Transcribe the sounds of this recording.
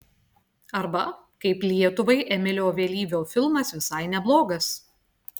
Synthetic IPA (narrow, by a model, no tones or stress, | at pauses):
ɐɾbɐ | kɐɪplʲiɛt̪ʊʋɐɪʔɛmʲɪlʲoːʋʲeːlʲiːʋʲoːfʲɪlˠmɐsʋʲɪsɐɪnʲɛblˠoːɡɐs